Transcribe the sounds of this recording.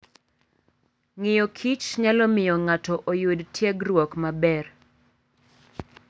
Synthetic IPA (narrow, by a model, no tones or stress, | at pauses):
ŋɪjɔkʰit͡ʃɲalɔmɪjɔŋatɔʔojudtʰjeɡrwɔkmabɛr